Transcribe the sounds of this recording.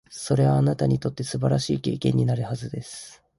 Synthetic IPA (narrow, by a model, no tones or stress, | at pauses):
so̞ɾe̞βaːnat̪aɲ̟it̪o̞t̪ːe̞sɨbaɾaɕiːke̞ːkẽ̞ɲ̟ːinaɾɯ̟hazɨd̪e̞sɨ̥